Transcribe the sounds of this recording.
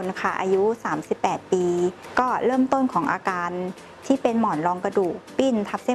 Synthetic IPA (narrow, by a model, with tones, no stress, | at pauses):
nkʰa˥˩ʔa̰ː˧ju˦˥saː˩˦msi˨˩pːɛː˨˩t̪̚piː˧kɔː˥˩ɾɤː˥˩mt̪o˥˩nkʰɔː˩˦ŋʔaː˧kaː˧n | t̪ʰiː˥˩pe˧nmɔː˨˩nɾɔː˧ŋka˧duː˨˩k̚piː˥˩nt̪ʰa˦˥p̚se˥˩